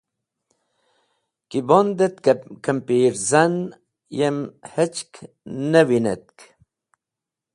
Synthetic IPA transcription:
kibond̪et̪kəmpiːɾzan | jemhet͡ʃkʰ | nəwinḛt̪̚k

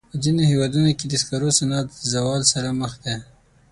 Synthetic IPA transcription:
pəzinohewɑd̪unoked̪əskɑɾosanɑt̪əzawɑlsaɾaməxd̪e

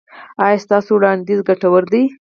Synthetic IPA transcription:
ɑjɑst̪ɑsowɽɑnd̪izɡaʈawəɾd̪əj

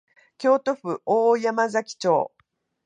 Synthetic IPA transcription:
kʲo̞ːt̪o̞ɸɯ̟ʔoːjamazakʲi̥t͡ɕo̞̰ː

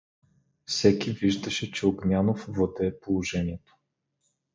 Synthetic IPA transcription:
fsɛkiviʒd̪ɐʃɛt͡ʃɛoɡnʲanofvod̪ɛːpolˠoʒɛniɛt̪o̥

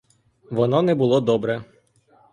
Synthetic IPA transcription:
ʋɔnɔnɛbʊlˠɔd̪ɔbɾɛ

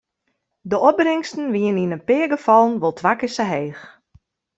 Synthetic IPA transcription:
dəɔp̚brɪŋstən̩ʋiəninənpɪəɡəfɔlˠənʋolˠtʰʋakɪsəɦeːx

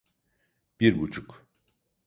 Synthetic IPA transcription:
b̥iɾbut͡ʃʰuk

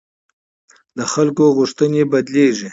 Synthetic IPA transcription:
d̪əxalkoɣʊʂt̪ənebad̪leʐi

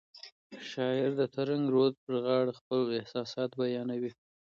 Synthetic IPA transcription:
ʃɑɪɾd̪ət̪ʰaɾaŋɡɾod̪̚pəɾɣɑɽaxpəlɪhsɑsɑt̪bajɑnawi

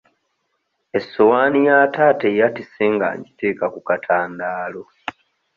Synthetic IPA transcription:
esːowaːnijaːtaːtejatiseŋɡa̰ːɲɟite̞ːkakukatʰaːndaːlo

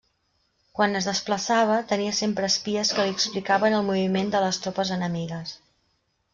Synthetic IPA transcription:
kwanəzðəspləsaβ̞ət̪əniəsempɾəːspiəskəliəksplikaβənəlˠmuβimend̪ələst̪ɾopəzənəmiɣəs

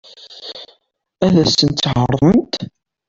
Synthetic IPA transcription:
æðæsənt̪sːʕəɾˤənt̪

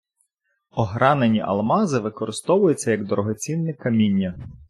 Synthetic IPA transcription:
ɔɦɾɑnenʲiʔɐ̰lˠmɑzɪʋɪkɔɾɪst̪ɔʋʊjʊt͡sʲːɐjɐɡd̪ɔɾɔɦɔt͡sʲinːɪkɐmʲinʲːɐ

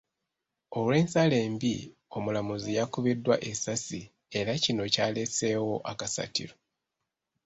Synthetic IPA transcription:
o̞lwe̞ːnsale̞ːmbi | o̞mulamuzijakuβidːwaʔe̞sasi | e̞ɾacino̞caːle̞se̞ːwo̞ʔakasa̰tḭɾo̞

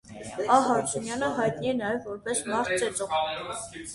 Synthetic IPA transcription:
ɑɦɑɾt͡ʃʰunjɑnəɦɑjt̪̚niɛnɑjɛvːɔɾpɛsmɑɾt̪̚ʰt͡ʃɛt͡sɔʁ

